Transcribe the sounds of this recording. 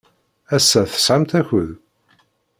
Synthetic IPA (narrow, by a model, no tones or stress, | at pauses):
æsːæθə̥sˤħamt̪æçəð